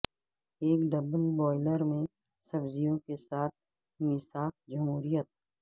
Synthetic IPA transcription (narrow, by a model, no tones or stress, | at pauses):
eːkɖɐbəlbɔːɪləɾmẽ | sɐbzijõkesaːt̪̚ʰ | mɪsaːkd͡ʒɐmɦuːɾijət̪̚